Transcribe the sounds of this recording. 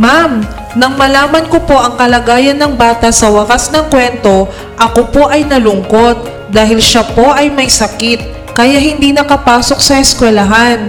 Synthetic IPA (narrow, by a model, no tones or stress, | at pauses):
mam | nɐŋmɐlaːmɐnko̞po̞ʔɐŋkɐlɐɡaːjɐnːɐŋbaːt̪ɐsɐwɐkasnɐŋkwɛnt̪o̞ | ʔɐkopo̞ʔɐjnɐlʊŋko̞t̪̚ | d̪aːɦɪlʃapo̞ʔɐjmɐjsɐkit̪̚ | kɐjahɪnd̪inɐkɐpaːso̞k̚sɐʔɛskwɛlɐɦan